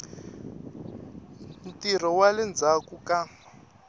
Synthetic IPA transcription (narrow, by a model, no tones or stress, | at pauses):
m̩tir̤ɔwalɛnd͡zʱakuka